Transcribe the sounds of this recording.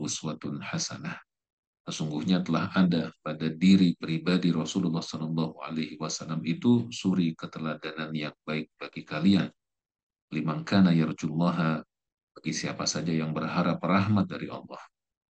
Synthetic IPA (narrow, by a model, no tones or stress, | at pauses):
ʊswat̪ʊnħasa̰nah | səsuŋɡʊhɲat̪əlahadapadadiɾipɾibadiɾɔsululːɑhsɔlɑlːɑhuʕa̰lajhiwasalːamit̪usuɾikət̪əladananjaŋbaɪk̚b̥aɡikalian | limaŋkanajard͡ʒulːɑɦa | b̥aɡisiapasad͡ʒajaŋbərɦaɾaprahmat̪̚daɾiʔɑ̰lːɑh